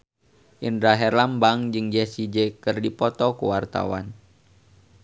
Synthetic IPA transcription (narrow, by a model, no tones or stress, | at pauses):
ʔindɾaɦɛrlambaŋd͡ʒɨŋd͡ʒɛsid͡ʒekɨrdipɔt̪ɔkuwart̪a̰wa̰n